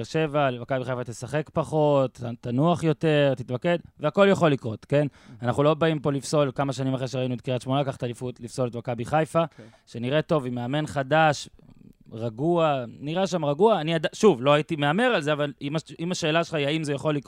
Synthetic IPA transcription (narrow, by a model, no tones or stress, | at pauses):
eʁʃe̞valvakabiχajfat̪esaχe̞kpaχo̞t̪tanuaχjo̞t̪e̞ʁt̪it̪make̞d̪veako̞ljaχo̞lːikʁo̞t̪ke̞nanaχnulo̞baimpo̞lifso̞lkamaʃanimaχʁeʃeʁainuet̪̚kiʁat̪ʃmonakaχat̪alifut̪lifso̞let̪vakabiχajfa | ʃeniʁe̞to̞vimeame̞nχadaʃ | ʁaɡuaniʁaʃamʁaɡuaːniad̪aʃuvlo̞ajit̪ime̞ameʁalzeavalimaimaʃe̞ːlaʃelχajaimzejaχo̞lːik